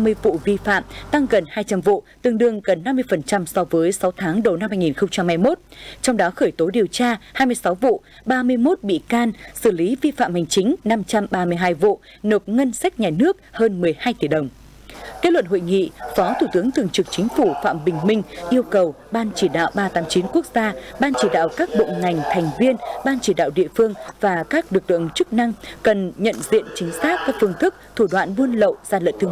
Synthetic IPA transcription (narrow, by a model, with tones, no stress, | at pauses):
a˧mɨ˧əjvṵ˧˨vi˧fa̰ː˧˨mt̪a˧ŋɣə˨˩nhaː˧jt͡ɕa˧mvṵ˧˨t̪ɨ˧˩əŋɗɨ˧˩əŋɣə˨˩nːa˧mːɨ˧əjfə˨˩nt͡ɕa˧msɔ˧vəː˨˦jsa˨˦wt̪ʰaː˨˦ŋɗə˨˩na˧mhaː˧jŋi˨˩nxə˧wŋ͡mt͡ɕa˧mha˧jmo˦˥t̚t͡ɕɔ˧wŋ͡mɗɔ˨˦xəː˧˩jt̪o˨˦ɗi˨˩əwt͡ɕaː˧haː˧jmɨ˧əjsa˨˦wvṵ˧˨ | ɓaː˧mɨ˧əjmo˦˥t̚ɓḭ˧˨kaː˧nsɨ˧˩li˨˦vi˧fa̰ː˧˨mha˨˩jŋ̟t͡ɕï˨˦ŋ̟na˧mt͡ɕa˧mɓaː˧mɨ˧əjɦaː˧jvṵ˧˨ | no˨˩p̚ŋə˧nsa˦˥jk̚ɲaː˨˩nɨ˦˥ək̚həː˧nmɨ˨˩əjhaː˧jt̪i˧˩ɗə˨˩wŋ͡m | ke˦˥t̚lwə̰˧˨nho̰˧˨jŋḭ˧˨fɔ˨˦t̪ʰu˧˩t̪ɨ˨˦əŋt̪ɨ˨əŋt͡ɕɨ˨˩k̚t͡ɕï˨˦ŋ̟fu˧˩fa̰ː˧˨mɓï˨˩ŋ̟mï˧ŋ̟ʔi˧əwkə˨˩w | ɓaː˧nt͡ɕi˧˩ɗa̰ː˧˨wɓaː˧t̪aː˨˦mt͡ɕi˨˦nku˦˥ək̚zaː˧ɓaː˧nt͡ɕi˧˩ɗa̰ː˧˨wkaː˦˥k̚ɓo̰˧˨ŋa˨˩jŋ̟t̪ʰa˨˩jŋ̟vi˧ənɓaː˧nt͡ɕi˧˩ɗa̰ː˧˨wɗḭ˧˨əfɨ˧əŋvaː˨˩kaː˦˥k̚lɨ˨˩k̚lɨ̰˧˨əŋt͡ɕɨ˦˥k̚na˧ŋkə˨˩nɲə̰˧˨nzḭ˧˨ənt͡ɕï˨˦ŋ̟saː˦˥k̚kaː˦˥k̚fɨ˧əŋt̪ʰɨ˦˥k̚t̪ʰu˧˩ɗwa̰ː˧˨nmu˧ənlə̰˧˨wz̥aː˧lə̰˧˨nt̪ɨ˧ŋ